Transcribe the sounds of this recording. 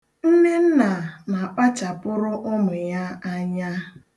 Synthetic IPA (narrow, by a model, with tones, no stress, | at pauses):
n̩˦ne˦n̩˦na˨na˨k͡pa˦t͡ʃa˨pʊ˦ɾʊ˦ʔʊ˦mʊ˨ja˦a˦ɲa˦